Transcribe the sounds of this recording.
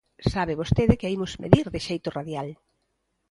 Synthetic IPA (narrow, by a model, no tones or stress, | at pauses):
saβɪβ̞ost̪eðɪkeimʊzmḛðiɾðɪʃejt̪ʊraðjal